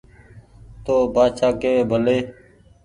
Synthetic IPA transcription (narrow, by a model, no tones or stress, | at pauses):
t̪oːbaːʃaːkeːeːbʱəleː